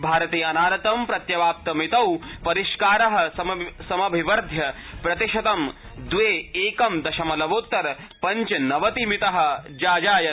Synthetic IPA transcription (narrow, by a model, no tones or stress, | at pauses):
bʱaːɾɐt̪eːɐnaːɾɐt̪ɐmpɾɐt̪jɐʋaːp̚t̪ɐmit̪ɐwpɐɾiʃkaːɾɐɦɐ̆sɐsɐmɐbʱiʋɐɾd̪ʱjɐ | pɾɐt̪iʃɐt̪ɐm | d̪ʋeːeːkɐmd̪ɐʃɐmɐlɐʋoːt̪ːɐɾ | pɐɲt͡ʃɐnɐʋɐt̪imit̪ɐɦɐ̆d͡ʒaːd͡ʒaːjɐ